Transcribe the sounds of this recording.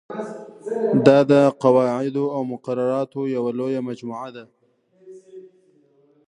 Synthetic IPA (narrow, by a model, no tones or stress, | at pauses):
d̪ɑd̪əqawɑʕɪd̪oawmʊqaɾaɾɑt̪ojawalojamad͡ʒmuʕad̪a